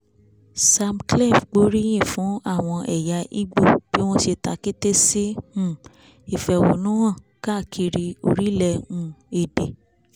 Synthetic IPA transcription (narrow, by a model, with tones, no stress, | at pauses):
sa˧mklɛ˦˨fɡ͡bo˨˦ɾi˦j̃ĩ˦˨fũ˨˦a˦˨w̃ɔ̃˧ʔɛ˨ja˨˧ʔḭ˦ɡ͡bo˦˨b̥i˨˦w̃ɔ̃˦ʃe˧ta˧˦ki˦te˦si˦ũ˦˨ | i˨fɛ˧˨wo̰˨nũ˦wɔ̃˦˨ | ka˦˨kʰi˧ɾi˧o̰˧ɾi˦lɛ˧ũ˧˨e˨de˨